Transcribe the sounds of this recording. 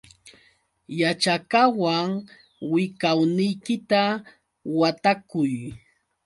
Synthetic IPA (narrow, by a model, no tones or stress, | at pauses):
jat͡ʃakawaŋ | wɪkawnɪjkɪt̪a | wat̪akʊj